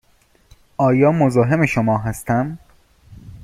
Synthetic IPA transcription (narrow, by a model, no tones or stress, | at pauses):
ʔɒːjɒːmozɒːɦe̞meʃomɒːɦæst̪ʰæm